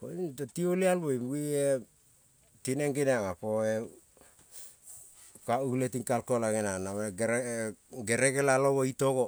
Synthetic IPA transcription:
ko̰itotiolialwejmwie | tineŋɡineaŋapoe | kauletiŋkalkolaɡenanaweɡ | ɡe̞ɾeɡelaloβoitoɡo

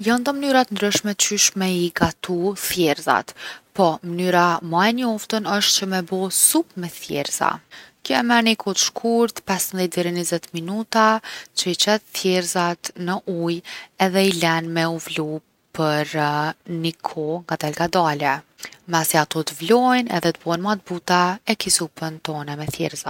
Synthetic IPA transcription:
jand̪ɔmənyɾat̪ənd̪ɾyʃmɛt͡ɕyʃmɛiɡat̪uθjɛɾza̰t̪pɔmənyɾamaɛɲɔft̪ənəʃt̪̚t͡ɕəmɛbɔsupmɛθjɛ̰ɾza̰kəɛmɛɾnikʰɔt̪ə̥ʃkʰuɾt̪pɛsmðjɛt̪ːɛɾinizɛt̪minut̪at͡ɕəit͡ɕɛt̪θjɛɾzat̪nəʔujɛðɛilɛnmɛuvlu | pəɾnikʰɔŋɡat̪ɛlɡad̪alɛ | masɛat̪ɔt̪əvlɔjnɛ̰ðɛt̪əbɔnmat̪̚but̪aɛkisupənt̪ɔnɛmɛθjɛ̰ɾza

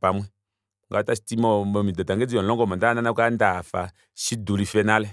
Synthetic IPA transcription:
pamwɛ | ŋɡatasitimɔmɔmidɔtaŋɡed͡zijɔlɔŋɡɔmɔdananakandafa̰ | ʃidulifɛnalɛ

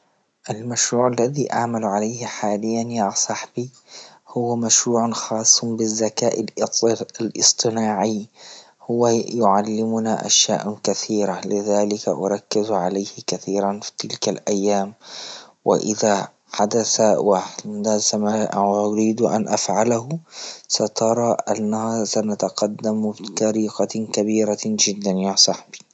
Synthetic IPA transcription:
ʔalmaʃɾuːʕalːaðiʔaʕmalʕalajhħaːlɪjːanjasˤɑħbi | hʊwːamaʃɾuːʕanxɑːsˤːbɪzːakaːʔɪl | lʔɨsˤt̪ˤɨnaːʕi | hʊwːajʊʕalːɪmʊnaʔa̰ʃja̰ːʔkaθiːɾalɪðaːlɪkaʔʊɾˤɑkːɪzʕalajhɪkaθiːɾanfi̥t̪ɪlkalʔajːaːm | wɪ̰ʔɪða | ħad̪aθawaħd̪asamaːʔʔʊɾiːd̪ʔa̰nʔafʕalaɦʊsat̪ʰɑɾˤɑːʔanːahasanat̪aqɑd̪ːambk̪ɑɾiːqɑkabiːɾad͡ʒɪd̪ːanjaːsˤɑħbi̥

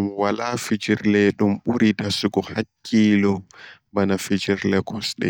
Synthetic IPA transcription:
mwalafid͡ʒiɾlɛɗumɓuɾidasuɡɔhakʰːiːlɔ | banafid͡ʒiɾlɛkʰɔsɗɛ̰

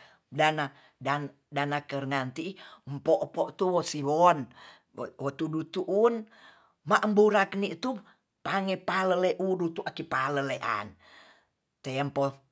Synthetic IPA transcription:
dana | dan | danakərŋant̪impɔʔpɔʔt̪uwɔsiwɔn | wɔt̪udut̪uʔun | maʔəmbuɾakniʔt̪u | paŋepaləleʔudut̪uʔakipaləleʔa̰n | t̪ɛmpo

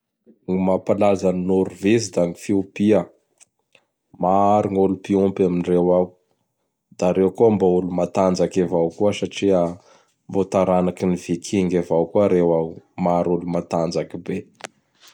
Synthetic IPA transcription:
ŋimapalazaninuɾuvezid̪aŋifiupia | maaɾiŋulupiumpaminrewawu | d̪aɾewkuambaulumat̪and͡zakevawkuəsaʈ͡ʂia | mbot̪aɾanakiniv̥ikʰiŋɡavawkuaɾewamaɾulumat̪and͡zakibe

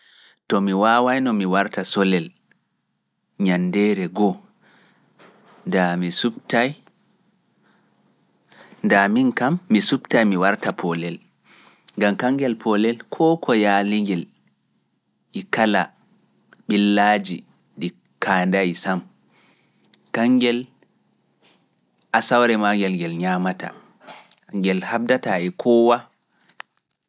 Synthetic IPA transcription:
tɔmiwaːwajnɔmiwaɾtasɔlɛl | ɲandɛːɾɛɡɔ | damisutaj | ndaminkamːisubtajmiwaɾtapʰɔlɛl | ŋɡamkaŋɡɛlpʰɔlɛlkʰɔːkʰɔjaːliŋɡɛl | ʔikala | ɓilːaːd͡ʒi | ɗi | kʰaːndajsam | kaŋɡɛl | ʔasawɾɛmaŋɡɛlɡɛlɲamata̰ | ŋɡɛlhab̚dataɛkʰɔːwa

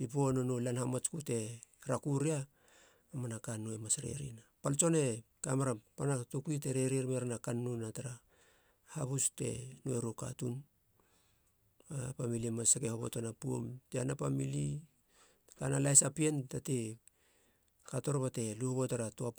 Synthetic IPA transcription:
pip̬uononolanhamat͡ʃkute̞ɾakuɾia | amanakanoemasɾe̞̰ɾḭnapalt͡ʃo̞ne̞ | kamaɾapanatukuite̞ɾeɾiɾmeɾanakanːunataɾa | haβuste̞̰noeɾoka̰tun | apamilimasakehoβo̞̰tanapuo̰mteanapamili | kanalajsapientate | kato̞ɾbate̞luhoβotaɾatoa

